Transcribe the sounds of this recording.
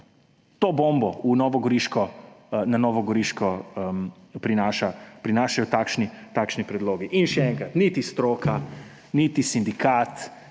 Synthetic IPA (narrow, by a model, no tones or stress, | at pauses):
t̪oːboːmbɔunɔʋɔɡɔɾiʃkɔnanɔːʋɔɡɔɾiʃkɔ | pɾinaːʃapɾinaːʃajɔt̪aːkʃnit̪aːkʃnipɾɛd̪loːɡiʔinʃɛɛŋkɾat̪nit̪ist̪ɾoːka | nit̪isind̪ikaːt̪